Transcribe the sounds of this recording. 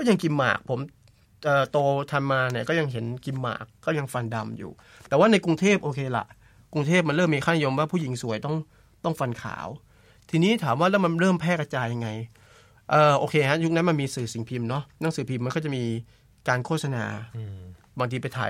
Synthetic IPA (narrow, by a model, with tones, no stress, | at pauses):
kɔː˥˩ja˧ŋki˧mːa̰ː˨˩k̚pʰo˩˦m | ʔɤː˨˩t̪oː˧t̪ʰa˧mːaː˧na˨˩˦kɔː˥˩ja˧ŋɦe˩˦nki˧mːa̰ː˨˩kːɔː˥˩ja˧ŋfa˧nda˧mjṵː˨˩ | t̪ɛː˨˩waː˥˩na˧jku˧ŋt̪ʰeː˥˩p̚ʔoː˧kʰeː˧la̰˨˩ʔ | ku˧ŋt̪ʰeː˥˩p̚ma˧nɾɤː˥˩mːiː˧kʰaː˥˩ni˦jo˧mwaː˥˩pʰuː˥˩ji˩˦ŋsu˨˩˦əjt̪ɔ˥˩ŋ | t̪ɔ˥˩ŋfa˧nkʰa̰ː˩˦w | t̪ʰiː˧niː˦˥t̪ʰaː˩˦mwaː˥˩lɛ˦˥wma˧nɾɤː˥˩mpʰɛː˥˩ka˧t͡ɕaː˧jːa˧ŋːa˧j | ʔɤː˨˩ʔoː˧kʰeː˧ha˦˥ju˦˥k̚na˦˥nma˧nmiː˧sɯː˨˩si˨˩˦ŋpʰi˧mnɔ˦˥na˩˦ŋsɯː˨˩˦pʰi˧mːa˧nkʰɔː˥˩t͡ɕa˨˩miː˧ | kaː˧nkʰoː˥˩t̪̚sa˧na̰ː˧ | baː˧ŋt̪ʰiː˧pa˧t̪ʰa̰ː˨˩˦